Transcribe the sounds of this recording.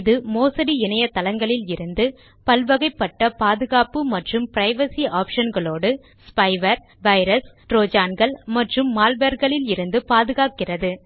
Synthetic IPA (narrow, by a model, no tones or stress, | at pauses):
ðɯmoːsɐɽiɪnɐjɐt̪ːɐlɐŋɡɐɭɪlɪɾɯnd̪ɯ | pɐlʋɐɣɐɪpːɐʈːɐpaːðɯɣaːpɯmɐʈrɯmpɪɾɐɪʋɐsiaːpʂɐnɡɐɭoːɽɯ | spɐɪʋɐɾ | ʋɐɪɾɐsʈɾoːd͡ʒaːnɡɐɭmɐʈrɯmːaːlʋɐɾɣɐɭɪlɪɾɯnd̪ɯpaːðɯɣaːkːɪrɐðɯ